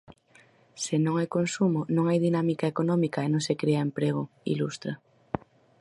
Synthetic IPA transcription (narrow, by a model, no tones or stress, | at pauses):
senõŋajkonsumonõŋajðinamikaekonɔmikaenõŋsekɾeaempɾeɣ̞oḭlust̪ɾa